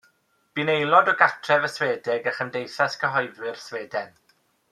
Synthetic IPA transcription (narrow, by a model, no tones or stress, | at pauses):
b̥inejlˠɔdɔɡatʰrɛvəsweːdɪɡəχəndejθaskʰəɦɔjðwɪrsweːdɛn